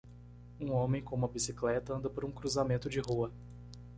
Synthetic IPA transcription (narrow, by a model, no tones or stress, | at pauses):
ũõmẽj̃kõmuɐbisiklɛt̪ɐɐ̃nd̪ɐpaɾɐũkɾuzamẽnt̪ʊd͡ʒɪɦuɐ